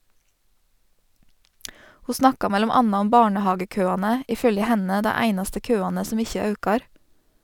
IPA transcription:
ˈhuː ˈsnɑkɑ ˈmɛlʊm ˈɑnɑ ˈʊm ˈbɑːɳəˌhɑːɡəˌkøːɑːnə ˈiː ˈfœljə ˈhɛnə ˈdæ ˈæɪnɑstə ˈkøːɑːnə ˈsɔm ˈɪçə ˈɑʉkɑɾ

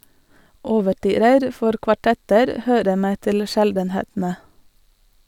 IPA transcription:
ɔʋəˈʈyːɾəɾ ˈfɔɾ kʋɑˈʈɛtəɾ ˈhøːɾə ˈmeː ˈtɪl ˈʃɛldn̩ˌheːtn̩ə

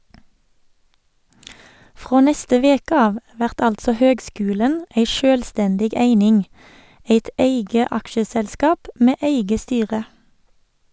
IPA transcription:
ˈfʁoː ˈnɛstə ˈʋeːkə ˈɑːʋ ˈʋæʁt ˈɑltsɔ ˈhøːɡˌskʉːlən ˈeɪ ˈʃøːlˌstɛndɪɡ ˈeɪnɪŋ ˈeɪt ˈeɪɡə ˈɑkʃəsɛlˌskɑːp ˈmeː ˈeɪɡə ˈstyːʁə

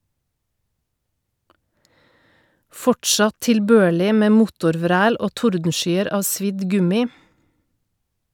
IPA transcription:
ˈfɔʈʃɑt tɪlˈbøːɭɪ ˈmeː ˈmʊtʊɾˌʋɾæːl ˈoː ˈtʊɾdn̩ˌʃyːəɾ ˈɑː ˈsʋɪd ˈɡʉmɪ

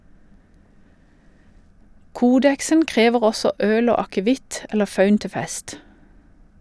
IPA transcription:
ˈkuːdɛksən ˈkʁeːʋəʁ ˈɔsɔ ˈøːl ˈoː ɑkəˈʋɪt ˈɛlə ˈfɑʉn ˈtɪ ˈfɛst

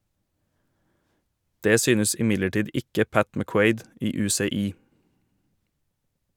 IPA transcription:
ˈdeː ˈsyːnəs ɪˈmɪdləˌʈiːd ˈɪkə ˈpæt mæˈkweɪd ˈiː ˌʉːseːˈiː

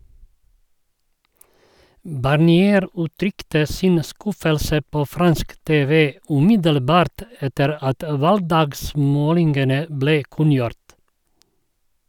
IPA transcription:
bɑɾˌniːˈeːɾ ʉːˈtɾʏktə ˈsɪn ˈskʉfəlsə ˈpoː ˈfɾɑnsk ˈteːʋə ʉːˈmɪdəlˌbɑːɾt ˈɛtəɾ ˈɑt ˈʋɑlɡˌdɑːɡˌsmoːlɪŋɡənə ˈbleː ˈkʉnjʊɾt

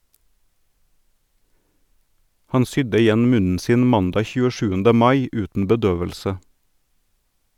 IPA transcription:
ˈhɑn ˈsʏdə ɪˈjɛn ˈmʉnn̩ ˈsiːn ˈmɑndɑː çʉːəˈʃʉːəndə ˈmɑɪ ˈʉːtn̩ bəˈdøːʋəlsə

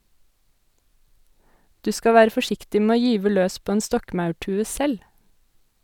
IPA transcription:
ˈdʉː ˈskɑ ˈʋæːɾə fɔˈʃɪktɪ ˈmeː ˈoː ˈjyːʋə ˈløːs ˈpoː ˈeːn ˈstɔkmɑʉˌʈʉːə ˈsɛl

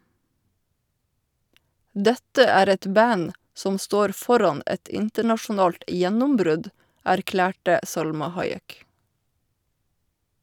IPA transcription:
ˈdɛtə ˈæːɾ ˈɛt ˈbæn ˈsɔm ˈstoːɾ ˈfɔɾɑn ˈɛt ˈɪntəɳɑʃʊˌnɑːlt ə ˈjɛnʊmˌbɾʉd æɾˈklæːʈə ˈsɑlmɑ ˈhɑɪˌɛk

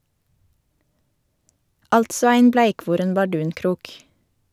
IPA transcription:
ˈɑltsɔ ˈæɪn ˈblæɪˌkʋuːɾɛn bɑˈɖʉːnˌkɾuːk

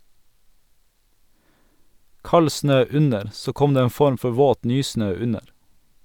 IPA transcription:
ˈkɑl ˈsnøː ˈʉnəɾ ˈsoː ˈkɔm ˈdeː ˈeːn ˈfɔɾm ˈfɔ ˈʋoːt ˈnyːˌsnøː ˈʉnəɾ

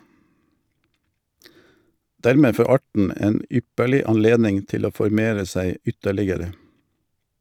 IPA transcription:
ˈdæɾˌmeː ˈfoː ˈɑʈɳ̩ ˈeːn ˈʏpəɭɪ ɑnˈleːdnɪŋ ˈtɪl ˈoː fɔɾˈmeːɾə ˈsæɪ ˈʏtəlɪɡəɾə

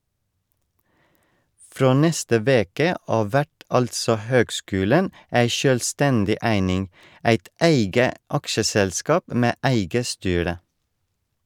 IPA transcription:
ˈfɾoː ˈnɛstə ˈʋeːkə ˈʔɑːʋ ˈʋæʈ ˈɑltsɔ ˈhøːɡˌskʉːlən ˈæɪ ʃœlˈstɛndɪ ˈʔæɪnɪŋ ˈæɪt ˈæɪɡə ˈɑkʃəsɛlˌskɑːp ə ˈmeː ˈʔæɪɡə ˈstyːɾə

